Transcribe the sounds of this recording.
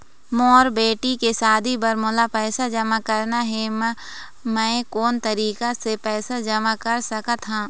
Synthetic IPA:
moːɾbeːʈikesaːd̪ibɐɾmʊlapɛːsad͡ʒɐmakɐɾnaɦɛm | mɛ̃ːkɔːnt̪ɐɾiːkasepɛːsad͡ʒɐmakɐɾsɐkət̪ɦãː

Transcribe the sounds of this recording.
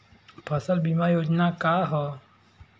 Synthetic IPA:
pʰɐsəlbimajoːd͡ʒnakaːɦɔː

